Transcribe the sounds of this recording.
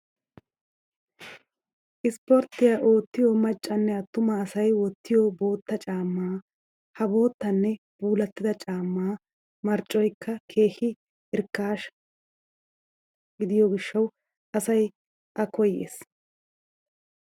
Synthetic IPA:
ʔɪspɔɾt̪ːɪjaːʔo̞ːt̪ːɪjɔmɐt͡ʃʼːɐnːɛɐt̪ːʊmɐːsɐjwɔt̪ːɪjɔbo̞ːt̪ːɐt͡ʃʼaːmːaː | hɐbo̞ːt̪ːɐnːɛ | b̥uːlɐt̪ːɪd̪ɐt͡ʃʼaːmːaː | mɐɾt͡ʃʼːɔjkʰːɐkʰe̞ːxɪ | ɪɾkːaːʃ | ɡɪd̪ɪjɔɡɪʃːɐw | ʔɐsɐj | ʔɐkɔjːḛːs

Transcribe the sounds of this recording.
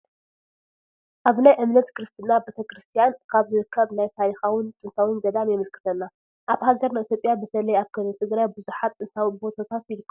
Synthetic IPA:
ʔaβnajʔɨmnɐt̪kʰɨɾɨst̪ʰɨnabet̪ʰɐkɾɨst̪ʰijankʰaβzɨɾɨkʰːɐβnajt̪ʰaɾixawʊnt̪ʼɨnt̪ʰawɨnɡɐd̪amjɛmɨlkʰɨ̥t̪ʰɐnːa | ʔaβhaɡɐɾnait̪jo̞pʼːjabɨt̪ʰɐlɐjaβkʰɨlɨt̪ʼɨɡɾajbɨzuħat̪ʼɨnt̪ʰawbo̞t̪ʰat̪ʰat̪jɪlɨkː

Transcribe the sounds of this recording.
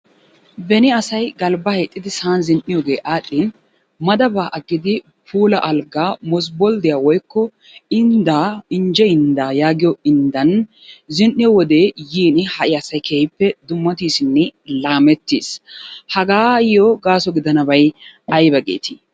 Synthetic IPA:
bɛnɪɐsɐjɡɐlbɐhɛt̪ʼːɪd̪ɪsaːnzɪnʔɪjoːɡe̞ːʔaːɗːɪ | mɐd̪ɐbaːʔɐɡːɪd̪ɪ | pʰuːlɐʔɐlɡaːmɔs̬bɔld̪ɪjaːwɔjkːɔ | ɪnd̪aɪɲd͡ʒɛɪnd̪aːjaːɡɪjɔɪnd̪ɐn | zɪnʔɪjɔwɔd̪eːjiːnɪhɐʔɪɐsɐjkʰɛhɪpːɛd̪ʊmːɐt̪iːsɪnːɛlaːmɛt̪ːḭːshɐɡaːjɔɡaːsɔɡɪd̪ɐnɐbɐjʔɐjbɐɡḛːt̪ɪ

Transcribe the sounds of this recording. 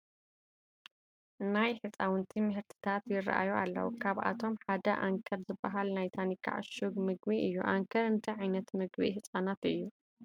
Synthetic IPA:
najħɨt͡sʼawʊnt̪ʰimɐhɨɾt̪ʰi̥t̪ʰat̪jɪrːɐ̰ʔa̰jualːɐ̰wṵkʰaβʔa̰t̪ʰo̞mħad̪ɐʔaŋkʰɐɾzɨbːɐɦalnajt̪ʰanikʰːa̰ʕɨ̰ʃuɡmɨɡbiʔɨjːuʔaŋkʰɐɾɨnt̪ʰɐʕajnɐt̪mɨɡbḭhɨsʼanat̪ɨjːu

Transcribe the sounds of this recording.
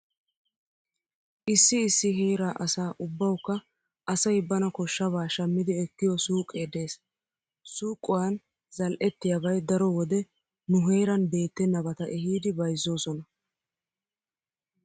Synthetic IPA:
ʔɪsːɪːsːɪɦeːɾaːʔɐsaːʔʊbːɐwkːɐ | ʔɐsɐjbɐnɐkɔʃːɐβaːʃɐmːɪd̪ɪɛkːɪjɔsuːkʼːeːd̪e̞ːs | suːkʼːʊwɐn | zɐlʔɛt̪ːɪjabɐjd̪ɐɾɔwɔd̪ɛ | nʊɦe̞ːɾɐnbe̞ːt̪ːɛnːɐbɐt̪ɐʔɛɦiːd̪ɪbɐjzːo̞ːsɔnɐ

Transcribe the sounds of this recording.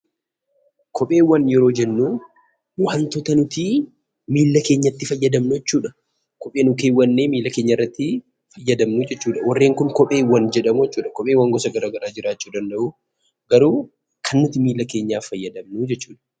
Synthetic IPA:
kʰɔpʼe̞ːwːɐnjɛɾo̞ːd͡ʒɛnːuː | wɐnt̪ɔt̪ɐnʊt̪iː | miːlːɐke̞ːɲːɐt̪ːɪfɐjːɐd̪ɐmnʊjɛt͡ʃːuːᶑɐ | kɔpʼeːnʊke̞ːwːɐnːeːmiːlːɐke̞ːɲːɐɪrːɐt̪ːɪ | fɐjːɐd̪ɐmnud͡ʒɛt͡ʃːuːᶑɐwɐrːe̞ːŋkʊŋkɔpʼe̞ːwːɐnd͡ʒɛᶑɐmujɛt͡ʃːuːᶑɐkɔpʼeːwːɐŋɡɔsɐɡɐɾaːɡɐɾaːd͡ʒɪɾaːt͡ʃːuːd̪ɐnd̪ɐʔu | ɡɐɾuː | kʰɐnːʊt̪ɪmiːlːɐke̞ːɲːaːfɐjːɐd̪ɐmnud͡ʒɛt͡ʃːuːᶑɐ̥

